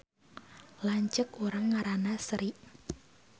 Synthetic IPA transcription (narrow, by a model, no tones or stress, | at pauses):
laɲt͡ʃəkuɾaŋːaɾanasəɾiʔ